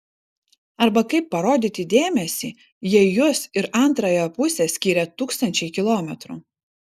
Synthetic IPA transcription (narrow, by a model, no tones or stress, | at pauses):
ɐɾbɐkɐɪpːɐɾoːd̪ʲiːt̪ʲɪd̪ʲeːmʲɛsʲiː | jiɛjʊsɪɾʔɐnˑt̪ɾɐjoːpʊsʲesʲkʲiːɾʲɛt̪uːkst̪ɐnʲt͡ʃʲɛɪkʲɪlˠoːmʲɛt̪ɾṵː